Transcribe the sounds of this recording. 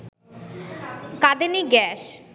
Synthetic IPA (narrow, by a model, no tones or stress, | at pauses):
kad̪eniɡɛʃ